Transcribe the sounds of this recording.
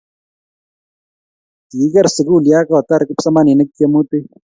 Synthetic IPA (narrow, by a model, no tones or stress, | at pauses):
t̪iːɡɐɾsɪɡuːlijaːkaːt̪ɐɾkupsɐmaːninɐkːjɐmuːt̪e